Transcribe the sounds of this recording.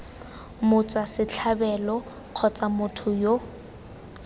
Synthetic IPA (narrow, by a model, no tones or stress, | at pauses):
mʊt͡sʼwasɪt͡ɬʰabɛlɔ | q͡χʰɔt͡sʼamʊtʰʊjo